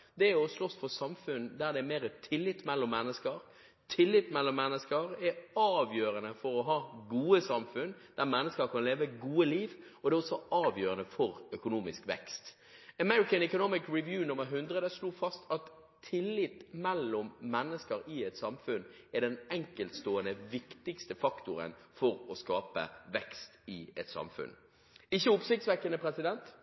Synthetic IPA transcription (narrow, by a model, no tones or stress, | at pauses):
d̪ɛɛɔslɔsfɔsɑmfʉnd̪æɾd̪ɛɛmeːɾət̪ʰɪlːɪt̪ːmɛlːɔmːɛnːəskəɾ | t̪ʰɪlːɪt̪mɛlːɔmːɛnːəskəɾɛɑːʋjøːɾənəfɔɾɔɦɑːɡuːəsɑmfʉnd̪̥æɾmɛnːəskəɾkʰɑnleːʋəɡuːəliːʋɔd̪ɛːɔsɔɑːʋjøːɾənəfɔɾœkʊnuːmɪskʋɛ̰kst̪ | əmɛɹɪkənɛkʊnɔmɪkɹɪʋjʉːnʊmːəɾɦʉnd̪ʁəd̪əsluːfɑst̪ʰɑt̪ʰː | ɪlːɪpːmɛlːʊmːɛnːəskəɾɪɛt̪sɑmfʉn | ɛɖɛnɛŋkəlt̪st̪oːənəʋɪkt̪ɪkst̪əfɑkt̪ʊɾə̰nfɔɾɔskɑːpə̰ʋɛkst̪ɪɛt̪sɑ̰mfʉ̰n | ɪçːəʊpsɪk̚t̪sʋɛkːənəpʰɾɛsɪd̪ɛnt̪